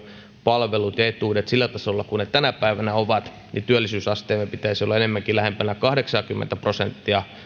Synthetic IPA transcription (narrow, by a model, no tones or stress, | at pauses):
pɑlʋelut̪et̪uːdet̪silːæt̪ɑsolːɑkunet̪ænæpæiʋænæoʋɑt̪ | nit̪yælːisyːsɑst̪eːmːepit̪æisiolɑenemːæŋkilæhempænækɑhdeksɑːkymːḛnt̪æprosent̪ːiɑ